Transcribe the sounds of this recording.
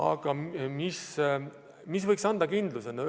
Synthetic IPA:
ɑ̰ɡ̥ɑmis | mis̬vɤjksɑnd̪ɑkind̪lusen

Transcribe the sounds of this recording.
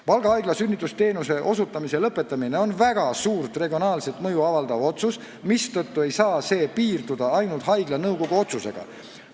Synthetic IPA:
pɑlɡ̥ɑɑjɡ̥lɑsynʲːit̪ːˑust̪e̞ːnuse̞ʔo̞sut̪ːˑɑmise̞lɤpːˑe̞t̪ːˑɑmine̞o̞nvæɡ̥ɑsuːrt̪re̞ɡio̞nɑːlse̞t̪ˑmɤjuɑvɑld̪̥ɑvo̞t̪sus | mist̪ɤt̪ːue̞jsɑːse̞ːpiːrd̪̥ud̪̥ɑɑjnult̪ɦɑjɡ̥lɑnɤwɡo̞ɡ̥uo̞t̪suse̞̰ɡ̥ɑ̰

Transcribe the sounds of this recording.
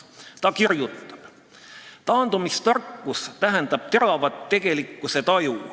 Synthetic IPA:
t̪ɑkirjut̪ːˑɑ̥b̥ | t̪ɑːnd̪̥umist̪ɑrkˑːust̪æɦend̪̥ɑb̥̚t̪e̞ɾɑvɑt̪ːe̞ɡ̥e̞likːˑuse̞t̪ɑju

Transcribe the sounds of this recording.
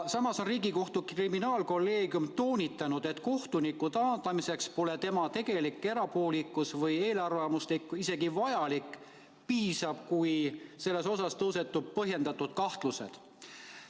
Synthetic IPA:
sɑmɑso̞nriːɡiko̞ht̪ukriminɑːlko̞lːe̞ːɡjumt̪o̞ːnʲit̪ːˑɑnud̪̥e̞t̪ko̞ht̪unikːˑut̪ɑːt̪ɑmise̞kspo̞le̞t̪e̞mɑt̪e̞ɡ̥e̞likːe̞ɾɑpo̞ːlikːˑusvɤje̞ːlɑrvɑmuslikːuise̞ɡ̥ivɑjɑlik | piːsɑb̥kujse̞lːe̞so̞sɑst̪ɤwse̞t̪ːˑub̥̚pɤɦje̞nd̪̥ɑt̪ˑːud̪̥kɑht̪luse̞̰d̪̥

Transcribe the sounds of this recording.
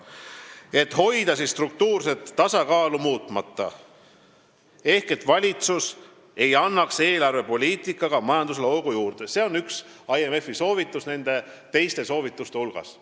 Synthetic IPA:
e̞t̪ho̞jd̪ɑsist̪ruk̚t̪uːrse̞t̪ːɑsɑkɑːlumuːt̪ˑmɑt̪ːˑɑ̰ | e̞hke̞t̪ːˑvɑlʲit̪sus | e̞jɑnːɑkse̞ːlɑrve̞po̞lʲiːt̪ikːˑɑɡ̥ɑmɑjɑnd̪̥us̬elo̞lɡ̥ujuːrd̪̥e̞se̞onyks | ɑjeme̞fiso̞ːvit̪ːˑusne̞nd̪̥e̞ | t̪e̞jst̪e̞so̞ːvit̪ːˑust̪e̞ulɡ̥ɑ̰s

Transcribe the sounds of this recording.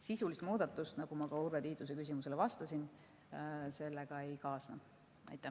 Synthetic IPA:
sisulist̪muːd̪ɑt̪ːˑust̪nɑɡ̥umɑkɑuɾvet̪iːd̪lus̬e̞kys̬ʲimuse̞levɑst̪ɑsin | se̞lːeɡ̥ɑe̞jkɑːsnɑ | ɑ̰jt̪ːˑæ

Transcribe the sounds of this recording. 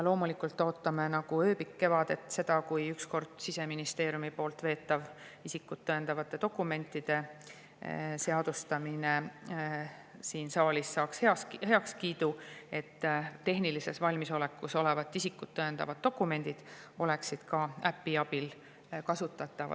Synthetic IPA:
jɑlo̞ːmulikːˑult̪ːˑo̞ːt̪ːɑmenɑɡ̥uø̞ːpikːe̞vɑd̪̥e̞t̪ːse̞d̪̥ɑkujyksko̞rd̪̥sise̞minist̪e̞ːɾjumipo̞ːlt̪ve̞ːt̪ːˑɑv | isikːˑut̪ːɤend̪ɑvɑt̪ːˑe̞t̪o̞kːˑume̞nt̪ˑːid̪̥e̞ | se̞ɑd̪̥ust̪ɑmine̞ | siːnsɑːlʲisːɑːksheɑhe̞ɑkskiːd̪̥ue̞t̪ːe̞ɦnilise̞svɑlʲmiso̞le̞kːˑuso̞le̞vɑt̪ːˑisikːut̪ːɤend̪ɑ̰vɑd̪̚o̞kːˑume̞nʲd̪̥id̪̥ | o̞le̞ksid̪̥kɑæpːiɑbil | kɑsut̪ːˑɑt̪ːˑɑvɑ̰

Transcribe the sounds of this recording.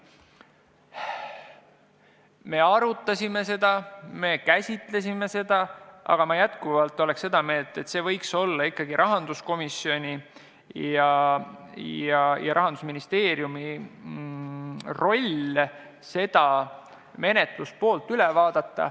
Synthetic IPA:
me̞ɑɾut̪ːˑɑsʲime̞se̞d̪̥ɑme̞kæsʲit̪ˑle̞s̬ʲime̞se̞d̪̥ɑɑ̰ɡ̥ɑmɑjæt̪kuvɑlt̪ːˑo̞lekse̞d̪̥ɑme̞ːlt̪ːe̞t̪ːse̞ːvɤ̞jkso̞lːɑikːɑɡ̥iɾʔɑɦɑnd̪̥usko̞misːio̞nʲi | jɑ | jɑjɑɾʔɑɦɑnd̪̥usminist̪e̞ːɾjumi | ro̞lʲ | se̞d̪̥ɑ | me̞ne̞t̪luspo̞ːlt̪ːˑylɛvɑːd̪̥ɑt̪ːɑ̰

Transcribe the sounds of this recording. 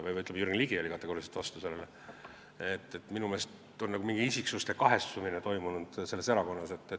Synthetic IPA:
vɯjvjyt̪ːlemjyrɡliɡ̥iɑlʲikɑt̪ːeɡoɾiset̪vɑst̪use̞lːḛle | et̪ːˑet̪minume̞ːst̪ | o̞nnːɑɡ̥umiŋɡ̥iisiksust̪e̞kɑɦe̞st̪uminet̪o̞jmunud̪̥se̞lːe̞se̞ɾɑko̞nːɑse̞t̪ːe

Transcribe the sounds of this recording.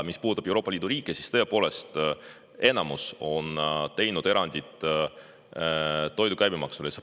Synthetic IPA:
mispuːd̪ut̪ːɑb̥e̞wɾoːpːˑɑliːd̪uɾiːkːˑesi̥st̪ɤ̞epo̞ːle̞st̪ | e̞nɑmuso̞nt̪e̞jnud̪̥e̞ɾɑnʲd̪̥it̪ˑ | t̪ːo̞jd̪ukæjbimɑksules

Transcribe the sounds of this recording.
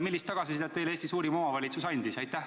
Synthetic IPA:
milːist̪ːɑɡ̥ɑsisid̪et̪ːe̞jlest̪isuːɾimo̞mɑvɑlʲit̪susɑjnʲd̪̥isɑjt̪ːˑæh

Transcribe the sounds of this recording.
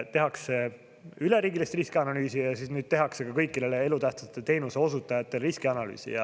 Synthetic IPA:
t̪e̞ɦɑkse̞ | yle̞ɾiːɡilist̪riskiɑnɑlyːsijɑsiːsnyːd̪̥̚t̪e̞ɦɑkse̞kɑkɤjkːileleelut̪æht̪sɑt̪ˑːet̪e̞ːnuseo̞sut̪ːˑɑjɑt̪ːˑe̞lriskiɑnɑly̰ːsḭjɑ

